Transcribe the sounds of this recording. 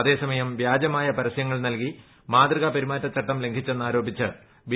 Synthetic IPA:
ɐðe̞ːsɐmɐjɐmʋjaːd͡ʑɐmaːjɐpɐɾɐsjɐŋːɐɭnɐlki | maːd̪riɣapɐɾimaːtːɐt͡ɕɐʈːɐmle̞ŋɡʰʱit͡ɕːe̞nːaːɾo̞ːbit͡ɕːɨ̰ | ʋi

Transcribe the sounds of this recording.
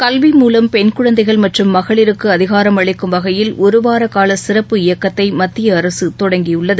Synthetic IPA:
kɐlʋimuːlɐmpɛnkɯɻɐnd̪ɐɪɣɐɭmɐʈrɯmːɐɣɐɭɪɾɯkːɯɐðɪɣaːɾɐmɐɭɪkːɯmʋɐɣɐjɪlʔɔɾɯʋaːɾɐkaːlɐsɪrɐpːɯɪjɐkːɐt̪ːɐɪmɐt̪ːɪjɐːɾɐsɯt̪ɔɽɐŋɡijʊɭːɐðɯ

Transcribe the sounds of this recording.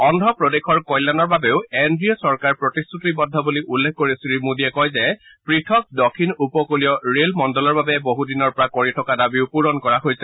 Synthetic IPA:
ɔndʱɔpɹɔdexʰɔɹkɔjlanɔɹbabeʊendɹiɔsɔɹkaɹpɹɔtistʰutibɔd̪ʱːɔbuliʔulːekʰkoɹisilimudiɛkɔjzɛ | pɹitʰɔk̚dɔkʰːinupɔkolijɔɹelmɔndɔlɔɹbabɛboɦudinɔɹpɔɹakoɹitʰɔkadabiʊpuɹɔnkɔɹaɦojsɛ

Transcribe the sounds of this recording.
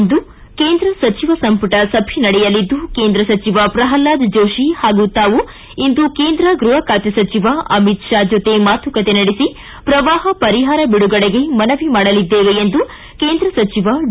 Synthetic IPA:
nd̪u | keːnd̪ɾɐsɐt͡ʃiʋɐsɐmpɐʈɐsɐbʱinɐɽɛjɐlid̪ːukeːnd̪ɾɐsɐt͡ʃiʋɐpɾɐɦɐlːaːd̪d͡ʒoːʃihaːɡut̪aːʋu | ind̪ukeːnd̪ɾɐɡɾuɦɐkaːt̪jɐsɐt͡ʃiʋaʔɐmit̪ʃaːd͡ʒot̪e̞maːt̪ʋɐkɐt̪e̞nɐɽisi | pɾɐʋaːɦɐpɐɾiɦaːɾɐbiɽuɡɐɭeɡemɐnɐʋimaːɽɐlid̪ːeːʋeend̪u | keːnd̪ɾɐsɐt͡ʃiʋɐ

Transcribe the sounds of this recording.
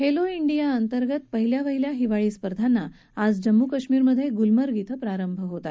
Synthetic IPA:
heloiɳɖijaənt̪əɾɡət̪̚pəɦiljaʋəɦiljaɦiʋaɭiːspəɾd̪ʱanːa | ad͡zd͡ʑəmːukəʂmiːɾməd̪ʱːjeɡulməɾɡit̪ʰəpɾaɾəmbʱəɦot̪at̪

